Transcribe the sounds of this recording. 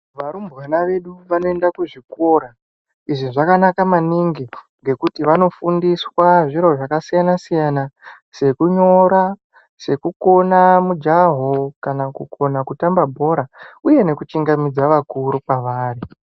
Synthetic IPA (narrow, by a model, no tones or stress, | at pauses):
ʋaɾumbɣanaʋe̞ɗuʋano̞e̞ndakuʐikoɾa | iʐiʐakanakamaniŋɡi | ŋɡe̞kutiʋano̞fundiswaʐiɾo̞ʐakasijanasijana | se̞kuɲo̞ɾa | se̞kuko̞namud͡ʒaɦokanakukʰo̞nakutambabʱo̞ɾauje̞ne̞kut͡ʃiŋɡamid͡zaʋakuɾupaʋaːri